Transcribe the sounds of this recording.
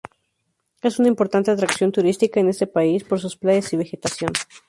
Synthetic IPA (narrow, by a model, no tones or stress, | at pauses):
e̞sunaimpo̞ɾt̪ant̪e̞at̪̬ɾaksjont̪uɾist̪ikae̞ne̞st̪e̞paispo̞ɾs̬usplaʝesiβ̞e̞xe̞t̪asjo̞n